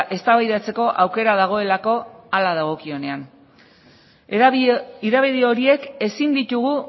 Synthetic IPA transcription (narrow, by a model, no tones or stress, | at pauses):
ʔe̞st̪aβajðat͡se̞ko̞ʔawke̞ɾað̞aɣ̞o̞e̞lako̞alað̞aɣ̞o̞kio̞ne̞an | iðaβeðio̞ɾie̞ke̞sind̪it̪uɣu